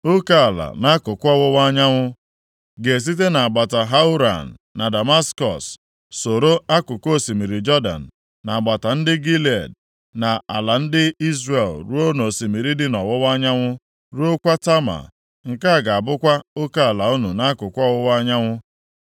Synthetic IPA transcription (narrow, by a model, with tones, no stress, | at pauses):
o˦ka˦a˨la̰˨na˦kʊ˨kʷɔ˦wʊ˦wa˦ɲa˦ŋʷʊ˦ | ɡe˨s̬i˦t̬e˦na˨a˨ɡ͡ba˨ta˨ɦa˦u˦ɾa̰˨n̩ː˨a˨da˨ma˦skɔ̰˨sː | o˨ɾo˦a˦kʊ˨ko˦˨si˨mi˨ɾi˨d͡ʒɔ˦da̰˨n̩ː˨ | a˨a˨ɡ͡ba˨ta˨n̩˦dɪ˦ɡi˦la˨d̚ | na˨a˨la˨n̩˦dɪ˦i˦zɾe˨lɾu˦o˦no˨si˨mi˨ɾi˦dɪ˦nɔ˨wɔ˦wa˦ɲa˦ŋʷʊ˦ | ɾu˦o˦kʷa˦ta˦ma̰˨ | ŋ̩˨ka˦a˨ɡa˨a˨bʊ˦kʷa˦o˦ka˦a˨la˨o˦nu˨na˦kʊ˨kʷɔ˦wʊ˦wa˦ɲa˦ŋʷʊ˦